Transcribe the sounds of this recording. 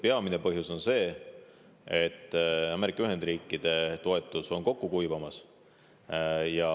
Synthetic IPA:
peɑmine̞pɤ̞ɦjuso̞nse̞ː | e̞t̪ːˑɑme̞ɾikːˑɑyɦe̞nd̪ɾiːkːˑid̪̥e̞t̪o̞e̞t̪ːˑuso̞nko̞kːukujvɑmɑs | jɑ

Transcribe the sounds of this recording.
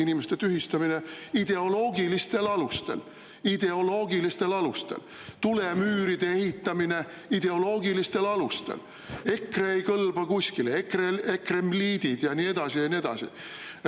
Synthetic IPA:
inimest̪et̪yɦist̪ɑmine̞id̪̥e̞o̞lo̞ːɡilist̪e̞lɑlust̪e̞̰l | id̪̥e̞o̞lo̞ːɡilist̪e̞lɑlust̪e̞̰l | t̪ule̞myːɾid̪̥e̞e̞ɦit̪ːˑɑmine̞ | id̪̥e̞o̞lo̞ːɡilist̪e̞lɑlust̪ḛl | e̞kˑreejkɤlbɑkusʲkileekreekremliːd̪̥id̪̥jɑnie̞d̪̥ɑsijɑnie̞d̪̥ɑ̰sḭ

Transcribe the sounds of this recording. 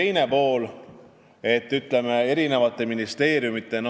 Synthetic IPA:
ejne̞po̞ːl | e̞t̪ːˑyt̪le̞me̞e̞ɾine̞vɑt̪ːˑe̞minist̪e̞ːɾjumit̪ːˑe̞n

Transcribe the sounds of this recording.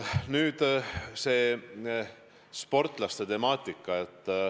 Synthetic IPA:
nyːd̪̥se̞ː | spo̞rt̪ˑlɑst̪e̞t̪e̞mɑːt̪ʲːˑikːˑɑet̪ː

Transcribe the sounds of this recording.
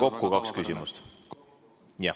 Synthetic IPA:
ko̞kːukɑkskysʲimust̪ | jɑ

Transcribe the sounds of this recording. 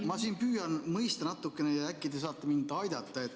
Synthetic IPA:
mɑsiːnpyːjɑnmɤjst̪ɑnɑt̪ːˑukːˑeneækːˑid̪es̬ɑːt̪ːˑɑmind̪ɑjd̪̥ɑt̪ːˑɑe̞t̪ː

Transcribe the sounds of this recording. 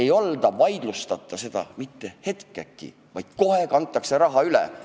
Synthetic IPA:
e̞jo̞ld̪̥ɑvɑjd̪̥lust̪ɑt̪ˑːɑse̞d̪̥ɑ̰mit̪ːe̞he̞t̪kekːˑḭ | vɑjd̪̥ko̞ɦe̞kɑnt̪ˑːɑkse̞ɾɑɦɑylḛ

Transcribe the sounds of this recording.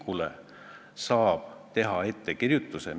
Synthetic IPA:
kulḛ | sɑːb̥t̪e̞ɦɑe̞t̪ːe̞kirjut̪ːˑusḛ

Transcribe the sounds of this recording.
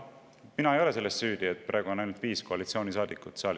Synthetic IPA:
minɑe̞jo̞le̞se̞lːe̞st̪syːd̪̥iet̪̚ːˑpɾʔɑ̰ˑeɡ̥uo̞nɑjnult̪viːsko̞ɑlit̪sio̞ːnis̬ɑːd̪̥ikːˑut̪seɑl

